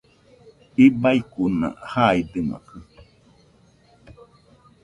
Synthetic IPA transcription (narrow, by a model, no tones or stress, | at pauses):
ibaikunã̰haid̪ɨma̰kɨ